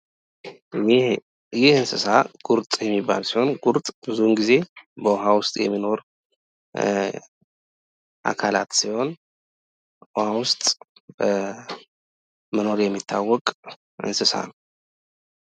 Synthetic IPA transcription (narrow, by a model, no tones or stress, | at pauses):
jɪhɨnsɨsaɡ̥uɾt̪ʼjɛmːibːa̰lsiho̞nɡuɾt̪ʼbɨzunɡize̞bəwɔɦawʊst̪ʼjɛ̰mːino̞ɾ | ʔa̰kʰala̰t̪siho̞n | ɔhawʊst̪ʼ | məno̞ɾjɛmːit̪ʰːawːɔkʼ | ɨ̰nsɨsa̰nw